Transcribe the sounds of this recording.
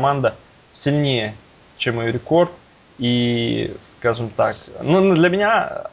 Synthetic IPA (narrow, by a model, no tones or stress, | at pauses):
mand̪ə | sʲɪlʲnʲejə | t͡ɕemjɾʲɪko̞rt̪̚ | i | skaʐɨmt̪aknund̪lʲəmʲɪnʲa